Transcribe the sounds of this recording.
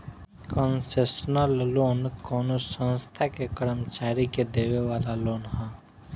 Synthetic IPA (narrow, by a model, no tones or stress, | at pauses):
kɔnsesnəlloːnkɔːnosə̃nst̪ʰakekəɾəmt͡ʃaːɾiked̪eːʋeʋaːlaloːnɦã